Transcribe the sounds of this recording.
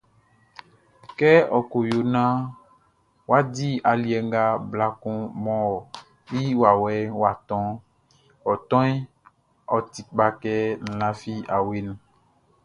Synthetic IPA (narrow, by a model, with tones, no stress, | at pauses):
kɛ˦ɔ˨ko˨jo˨nã˦ | wa˦di˦a˨li˨˦ɛ˨ŋ˦ɡa˦bla˦kũ˦mɔ̃˦wɔ˨ | ji˦wa˨wɛ˦wa˨t̪ɔ̃˦ | wɔ˨t̪ɔ̃˦i˦ | ɔ˨t̪i˨k͡pa˦kɛ˦n̩˨lã˦fi˦a˨we˦nũ˨